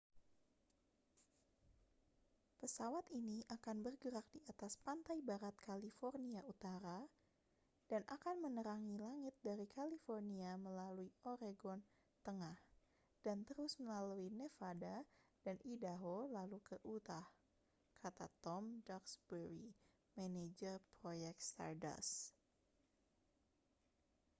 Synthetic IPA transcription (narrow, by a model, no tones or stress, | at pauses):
pəsawat̪iniʔakanbərɡəɾak̚diat̪aspant̪ajbaɾat̪̚kʰalifɔrniaut̪aɾa | d̥anʔakanmənəɾaŋilaŋɪt̪̚daɾikalifɔrniaməlaluioɾeɡɔn | t̪əŋah | d̥ant̪əɾʊsməlaluinefadadanʔidaɦolalukəʔut̪ah | kʰat̪at̪ɔmdaksbəɾi | maned͡ʒərpɾojɛk̚t̪st̪a̰rda̰s